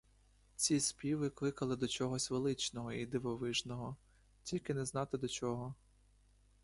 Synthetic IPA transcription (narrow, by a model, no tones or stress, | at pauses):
t͡sʲispʲiʋɪklˠɪkɐlˠɪd̪ɔt͡ʃɔɦɔsʲʋelˠɪt͡ʃnɔɦɔid̪ɪʋɔʋɪʒnɔɦɔ | tʲilʲkɪnɛznɑt̪ɪd̪ɔt͡ʃɔɦɔ